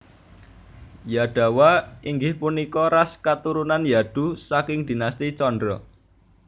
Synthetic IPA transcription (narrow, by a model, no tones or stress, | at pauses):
jaɖ̪̥ä̤waiŋɡɪhpunikɔɾaskat̪uɾunanjad̪̥ṳsakɪŋd̪̥i̤nast̪it͡ʃɔndɾɔ